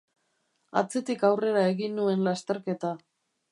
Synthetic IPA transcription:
a̰t͡se̞t̪ikawre̞ɾae̞ɣinːue̞nlast̪e̞ɾke̞t̪a

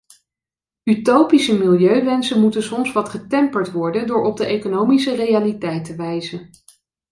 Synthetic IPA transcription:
ytowpisəmɪlˠjøɥʋɛnsənmutənsɔmsʋɑtχətɛmpəɹtʋɔɹdəndʊːɹɔb̚dəʔejkonowmisərejalitɛjtəʋɛjzən

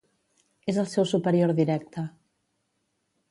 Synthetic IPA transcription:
ezəlˠsɛwsupəɾioɾðiɾɛk̚t̪ə

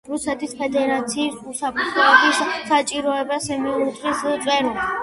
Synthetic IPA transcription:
ɾusɛt̪ʰispʰɛd̪ɛɾat̪sʰiːsusapʰt̪ʰlɔːbissat͡ʃʼiɾɔɛbasɛmiuɾut̪ʰʼɾist̪sʼɛɾul

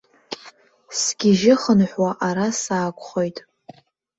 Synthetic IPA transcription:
sɡʲɪʒɪχənħʷwaʔaɾasaːkʷʼχojtʼ

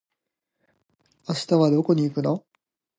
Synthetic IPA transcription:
aɕi̥t̪aβad̪o̞ko̞ɲ̟iikɯ̟no̞

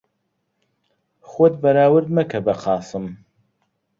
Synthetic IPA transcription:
xod̪bɐɾaːwɨɾd̪mɐkʰɐbɐqʰɑːsɨm

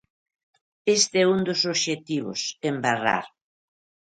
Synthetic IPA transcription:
est̪eɛund̪ʊsoβʃet̪iβʊ̰sembara̰ɾ

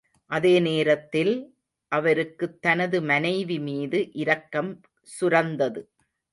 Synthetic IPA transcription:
ʔɐðeːneːɾɐt̪ːɪl | ʔɐʋɐɾɯkːɯt̪ːɐnɐðɯmɐnɐɪʋimiːðɯʔɪɾɐkːɐm | sʊɾɐnd̪ɐðɯ

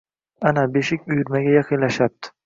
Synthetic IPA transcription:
anabe̞ʃɪkʲʊjʊɾmaɡʲajɑqʰɨnlaʃap̚d̪ɪ̥

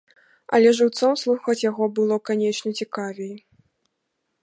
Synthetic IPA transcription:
ɐ̰lʲɛʐɨwt̪sɔmslˠuxɐt͡sʲjaɣɔbɨlˠɔkanʲɛt͡ʂnʲɐt͡sʲikavʲɛj

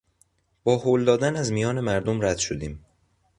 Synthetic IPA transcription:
b̥ɒːhold̪ɒːd̪ænæzmijɒːne̞mæɾd̪omɾæd̪̥ʃod̪iːm

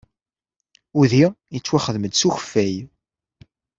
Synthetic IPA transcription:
uðijət͡sːwæχəðməd̪suçə̥fːæj

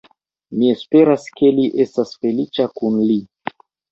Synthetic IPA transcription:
mie̞spe̞ɾaske̞liʔe̞stasfe̞lit͡ʃakunli

